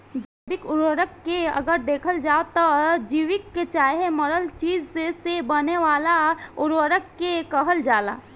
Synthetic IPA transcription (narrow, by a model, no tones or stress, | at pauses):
d͡ʒiːbɪkʊɾwəɾəkːeə̰ɡəɾd̪eːkʰəld͡ʒaːot̪ɔd͡ʒiːʋɪkːet͡ʃaːɦeməɾəlt͡ʃiːd͡ʒsesebəneʋaːlaʊɾʋəɾəkːekəɦəld͡ʒaːla̰ː